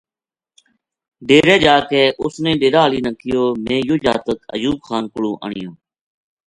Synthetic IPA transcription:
ɖeːɾeːd͡ʒaːkɛːʔʊsnẽːɖeːɾaːliːnəkɪjoːmẽːjʊːd͡ʒa̰ːt̪əkə̰juːb̚xaːnkʊɽṵ̃ːʔə̰ɳɪjõː

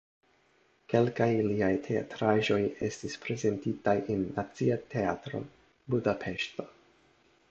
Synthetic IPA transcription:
ke̞lkajliajtʰe̞a̰tɾaʒo̞je̞̰stispɾe̞ze̞ntitajʔenːat͡siatʰe̞atɾo̞̰ | budapʰe̞ʃto̞̥

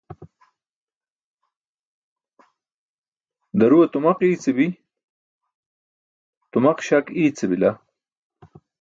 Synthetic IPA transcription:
d̪ɐɾuɐt̪umɐqiːt͡sibi | t̪umɐqɕakiːt͡sibila

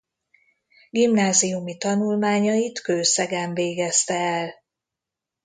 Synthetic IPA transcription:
ɡimnaːziumit̪ɒnulmaːɲɒjit̪køːsɛɡɛɱveːɡɛst̪ɛːl

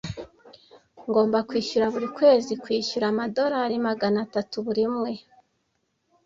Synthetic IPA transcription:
ŋɡo̞ːmbakwiːʃuɾaβuɾikwe̞ːzikwiːʃuɾamado̞ɾaɾimaɡanatatuβuɾimŋe̞

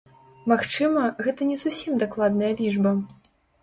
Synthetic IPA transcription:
maxt͡ʂɨmɐɣɛt̪ɐnʲɛzusʲimd̪aklˠad̪nɐjɐlʲiʐbɐ

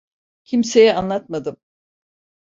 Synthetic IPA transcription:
cʰimse̞jɛanlˠat̪mad̪ɯm

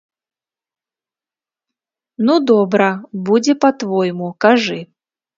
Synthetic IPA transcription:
nud̪ɔbɾɐbud͡zʲɛpɐt̪vɔjmukaʐɨ

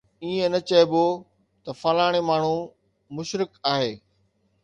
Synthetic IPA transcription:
iːẽnɐt͡ɕɐɪbo | t̪ɐfɐːlaːɪɽ̃emaːɳ̤u | mʊʃɾɪkaːɦeː

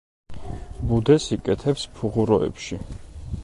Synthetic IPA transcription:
bud̪ɛsikʼɛt̪ʰɛpspʰuʁuɾɔɛ̰pʃi

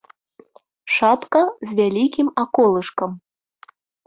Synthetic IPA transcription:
ʂapkɐzʲvʲalʲikʲimakɔlˠɨʂkɐm

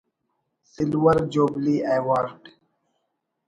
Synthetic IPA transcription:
sɪlwəɾd͡ʒoːbliːʔeːwaːɾɖ

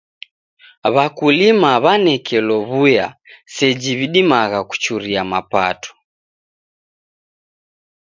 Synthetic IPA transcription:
βakulimaβanɛkɛlɔβuja̰sɛd͡ʒiβiɗimaɣaku̥t͡ʃuɾiamapatɔ̥

